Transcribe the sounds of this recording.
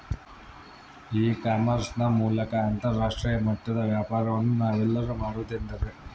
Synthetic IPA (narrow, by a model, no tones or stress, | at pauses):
iːkaːmɐɾsnɐmuːlɐkɐant̪ɐɾːaːʂʈɾiːjɐmɐʈːɐd̪ɐʋjaːpaːɾɐʋɐnːunaːʋilːɐɾɐmaːɾut̪end̪ɐɾe